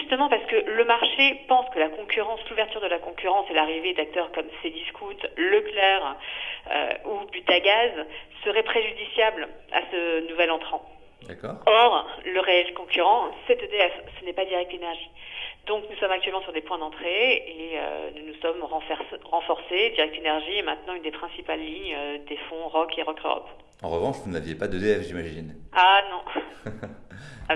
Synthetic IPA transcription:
ʒyst̪əmɑ̃paʁsə̥kələmaʁʃepɑ̃skəlakɔ̃kʲyʁɑ̃sluvɛʁt̪yʁd̪əlakɔ̃kʲyʁɑ̃sɛlaʁived̪ak̚t̪œʁkɔmseliskut̪ləklɛʁø̰ubyt̪aɡazsəʁɛpχeʒyd̪isjabl | a̰sənuvɛlɑ̃t̪χɑ̃ | kɔʁləʁeɛlkɔ̃kʲyʁɑ̃sɛt̪ød̪eɛfsənɛpad̪iʁɛk̚t̪enɛʁʒid̪ɔ̃knusɔmakt̪ɥɛlmɑ̃syʁd̪epwɛ̃d̪ɑ̃t̪χeeø̰nunusɔmʁɑ̃fɛsʁɑ̃fɔʁsed̪iʁɛk̚t̪enɛʁʒiemɛ̃t̪nɑ̃ynd̪epχɛ̃sipalːiɲød̪efɔ̃ʁɔkeʁɔkø̰ʁɔ̰p | ɑ̰̃ʁəvɑ̃ʃvunavjepad̪əd̪eɛfʒimaʒinanɔ̃

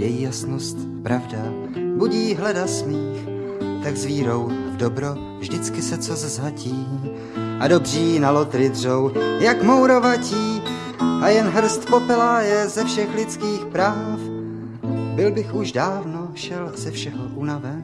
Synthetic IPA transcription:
jɛjiːjasnost̪ | pɾavda | buɟiːɦlɛdasmiːx | t̪aɡzviːɾo̞wvdo̞bɾo̞ | vʒdɪt͡skɪsɛt͡sozzaciː | ʔado̞br̝iːnalo̞t̪ɾɪdr̝owjakmo̞wɾo̞vaciː | ʔajɛnɦr̩st̪po̞pɛlajɛzɛfʃɛxlɪt͡skiːxpɾaːf | bɪlbɪxuʃdaːvno̞ʃɛlz̥ɛfʃɛɦoʔunavɛ

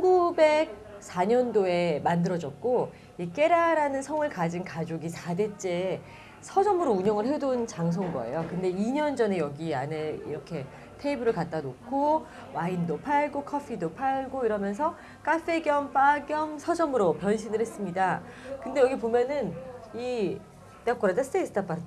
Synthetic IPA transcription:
ɡube̞k̚ | sʰaɲʌndoe̞mandɯɾʌd͡ʑʌt̚k͈o | ik͈e̞ɾaɾanɯnsʰʌŋɯɭkad͡ʑinkad͡ʑoɡisʰade̞t͡ɕ͈e̞ | sʰʌd͡ʑʌmɯɾouɲʌŋɯɭɦedont͡ɕaŋs̬ʰonɡʌ̰e̞̰jokɯnde̞iɲʌnd͡ʑʌne̞jʌɡiane̞iɾʌkʰe̞ | tʰeibɯɾɯɭkat̚t͈anokʰo | waindopʰaɭɡokʰʌpʰidopʰaɭɡoiɾʌmjʌns̬ʰʌ | kʰafʰe̞ɡjʌmp͈aɡjʌmsʰʌd͡ʑʌmɯɾopjʌnɕʰinɯɭhe̞s͈ɯmɲida | kɯnde̞jʌɡipomjʌnɯni | tak͈oɾadasʰt͈ʰesʰɯ̥tap͈aɾ

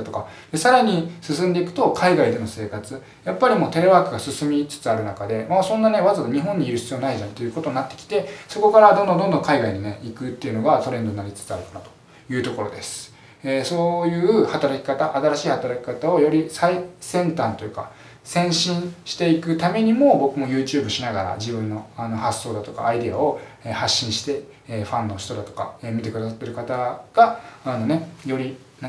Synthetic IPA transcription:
t̪oka | d̪̥e̞saɾaɲ̟isɨsɨ̃nd̪e̞ikɯ̟̥t̪o̞kʰaiɡaid̪e̞no̞se̞ːkat͡sɨ | japːaɾʲimo̞ːt̪e̞ɾe̞βaːkɯ̟ɡasɨsɨmʲit͡sɨ̥t͡sɨaɾɯ̟nakad̪e̞masõnːane̞βazkaɲ̟iɦõ̞ɲ̟ːiiɾɯ̟ɕi̥t͡sijonaiʑãnt̪e̞jɯ̟ko̞t̪o̞ɲ̟inat̪ːe̞kʲi̥t̪e̞so̞ko̞kaɾad̪o̞nd̪ond̪o̞nd̪õŋkaiɡaiɲ̟ine̞ikɯ̟t̪ːe̞iɯ̟noɡat̪o̞ɾend̪o̞ɲnaɾʲit͡sɨ̥t͡sɨaɾɯ̟kanat̪o̥ | jɯ̟ːt̪o̞ko̞ɾo̞̰d̪e̞sɨ̥ | eso̞ːjɯ̟ːhat̪aɾakʲi̥kat̪aʔat̪aɾaɕiːhat̪aɾakʲi̥kat̪ao̞jo̞ɾʲisaisẽ̞nt̪ãnt̪o̞jɯ̟ka̰ | sẽ̞ɰ̃ɕĩɰ̃ɕi̥t̪e̞ikɯ̟t̪ame̞ɲ̟imo̞bo̞kɯ̟mo̞jɯ̟ːt͡ɕɨːbɯ̟ɕinaɡaɾa̰d͡ʑibɯ̟̃nːo̞ano̞hasːo̞ːd̪at̪o̞ka̰ːid̪e̞ao̞ | eːhaɕːĩɰ̃ɕi̥t̪e̞ː | ɸãnːo̞ɕi̥t̪o̞d̪at̪o̞̥ka̰eːmʲit̪e̞kɯ̟d̪as̬at̪ːe̞ɾɯ̟kat̪aɡ̥aːno̞ne̞jo̞ɾʲi | na

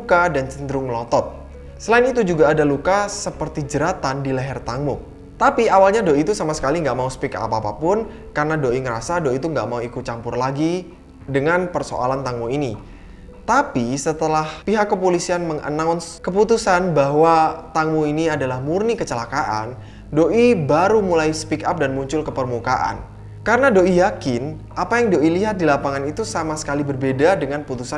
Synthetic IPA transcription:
lukadant͡ʃənd̪ɾʊŋəlɔt̪ɔt̪̚ | səlaɪnit̪ud͡ʒuɡaːdalukasəpərt̪id͡ʒəɾat̪andilɛɦɛrt̪aŋmu | t̪apiawalɲadoit̪usamasə̥kaliŋɡaʔmausə̥pika̰ʔa̰paːpapʊn | karnadoiŋəɾasadoit̪uŋɡaʔmauikʊt̪̚t͡ʃampʊrlaɡi | dəŋanpərso̰ʔa̰lant̪aŋmuini | t̪apisət̪əlahpiɦakːəpolisianməŋʔə̰nawnkəput̪usanbaɦwat̪aŋmuiniadalahmurnikət͡ʃəlakaʔa̰n | doʔibaɾumulajsə̥pikap̚danmuɲt͡ʃʊlkəpərmuka̰ʔa̰n | kaɾənadoijakɪn | ʔapajaŋdoʔiliɦat̪̚dilapaŋanit̪usamasə̥kalibərbedadəŋanput̪usa

